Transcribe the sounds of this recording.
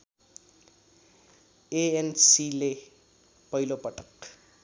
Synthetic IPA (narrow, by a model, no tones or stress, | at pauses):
eensile | pʌjlopʌʈʌ̥k